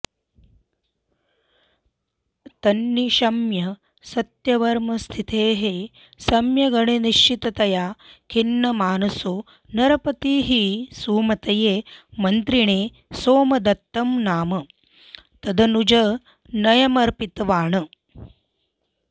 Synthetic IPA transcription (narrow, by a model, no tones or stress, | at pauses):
t̪ɐnːiʃɐmjɐ | sɐt̪jɐʋɐɾmɐst̪ʰit̪ʰeːɦe | sɐmjɐɡɐɳeniʃt͡ʃit̪ɐt̪ɐjaːkʰinːɐmaːnɐso | nɐɾɐpɐt̪iːɦisuːmɐt̪ɐjeːmɐnt̪ɾiɳeː | soːmɐd̪ɐt̪ːɐmnaːmɐ | t̪ɐd̪ɐnud͡ʒɐ | nɐjɐmɐɾpit̪ɐʋaːɳɐ